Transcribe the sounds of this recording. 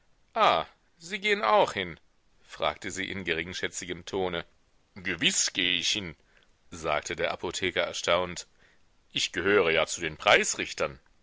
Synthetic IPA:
ʔaː | ziːɡeːənʔaʊxhɪn | fʁ̥a̰ːktəzḭːʔɪ̰nɡəʁɪŋʃɛt͡sɪɡəmtʰoːnə | ɡəvɪsɡ̥eːəɪçhɪn | za̰ːk̚tʰədeːɐʔapʰotʰɛːkɐʔɛɐʃtaʊnt | ʔɪçɡ̥əɦøːʁ̞əjaːt͡sudeːnpʁ̥aɪsʁɪçtʰɐn

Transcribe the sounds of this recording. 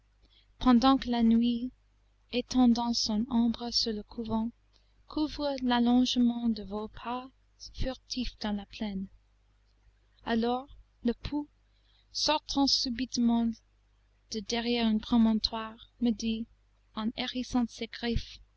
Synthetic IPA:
pʰɑ̃d̪ɑ̃kəlanɥi | et̪ʰɑ̃d̪ɑ̃sɔ̃nɔ̃bʁəsyʁləkʰuvɑ̃ | kʰuvʁəlalɔ̃ʒmɑ̃d̪əvopʰa | fyʁt̪ʰifd̪̥ɑ̃laplɛn | alɔʁ | ləpʰu | sɔʁt̪ʰɑ̃sybit̪mɑ̃ | d̪̥əd̪ɛʁjɛʁɛ̃npχɔmɔ̃nt̪ʰwaʁməd̪i | ɑ̃neʁisɑ̃seɡ̥ʁif

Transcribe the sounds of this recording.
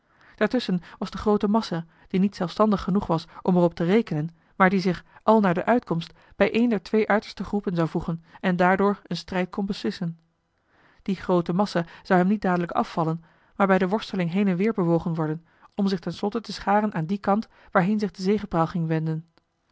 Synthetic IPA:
d̥aːɹtɵsənʋɑzdəχrowtəmɑsa | d̥initsɛlˠfstɑndəχːənuχʋɑsʔɔmɛrɔp̚tərejkənən | maːɹdizɪχʔɑlˠnaːɹdəʔœɥtkɔmst | b̥ɛjʔejndɛɹtʋejʔœɥtəɹstəχrupənzɑwvuχənɛndaːɹdʊːɹənstrɛjt̚kɔnbəslɪsən | d̥iχrowtəmɑsaz̥ɑwɦɛmnit̚daːdələkɑ̰fːɑlən | maːɹbɛjdəʋɔɹstəlɪŋɦejnɛnʋɪːɹbəʋowχənʋɔɹdən | ʔɔmzɪχtɛnslɔtətəsχaːrənʔaːndikɑnt | ʋaːɹɦejnzɪχdəzejχəpraːlˠχɪŋʋɛndən

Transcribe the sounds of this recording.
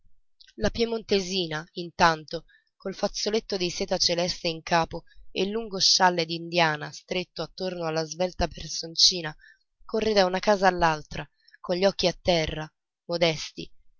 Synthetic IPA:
lapjemont̪eziːnaint̪ant̪o | kolfat̪sːolet̪ːod̪isɛːt̪at͡ʃelɛst̪eiŋkaːpoḛlːuŋɡoʃːalːed̪ind̪jaːnast̪ɾet̪ːoat̪ːornoalːazvɛlt̪apersont͡ʃiːna | korːed̪aunakaːzaːlːalt̪ɾa | koɲʎːɔkːiat̪ːɛrːa | mod̪ɛst̪ḭ

